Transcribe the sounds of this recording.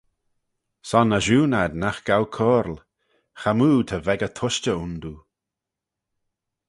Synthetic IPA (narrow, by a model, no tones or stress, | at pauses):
sɔnəʒuːnad̪naxɡ̥awkʰɔːɾl | xamuːt̪ʰəvɛɡət̪ʰʊʃt͡ʃəund̪u